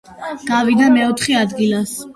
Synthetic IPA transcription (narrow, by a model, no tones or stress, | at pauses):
ɡ̥avid̪amɛɔt̪ʰχɛad̪ɡilas